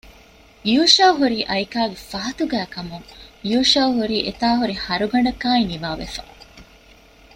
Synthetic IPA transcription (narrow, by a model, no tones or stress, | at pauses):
juːʃaːɦuɾiːʔɐjkaːɡefɐɦɐt̪uɡæːkɐmuŋjuːʃaːɦuɾiːʔet̪aːɦuɾihɐɾuɡɐɳ̆ɖɐkaːiniʋaːʋḛfa̰